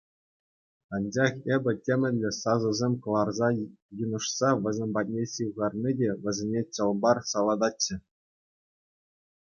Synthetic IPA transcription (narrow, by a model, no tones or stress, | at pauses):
ɑnd͡ʑɑχebʲɘ̆tʲemʲɘ̆lʲɘ̆sɑzɤ̆zʲemʲkɤ̆lˠɑrzɑ | jɯnɤ̆ʂsɑʋʲɘ̆zʲemʲbɑt̚ʲnʲeɕɯʋʁɑrnʲidʲeʋʲɘ̆zʲenʲet͡ɕɤ̆lˠbɑrsɑlˠɑd̪ɑtːɘ̆